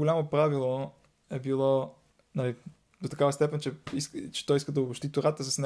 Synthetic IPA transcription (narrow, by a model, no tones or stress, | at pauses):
olʲamopɾavilˠo | ɛbilˠɔ | nɐli | d̪ot̪ɐkavəst̪ɛpɛnt͡ʃɛiskt͡ʃɛ̥t̪ɔjiskəd̪ɐʊɐʃt̪it̪oɾat̪əsəsnɛ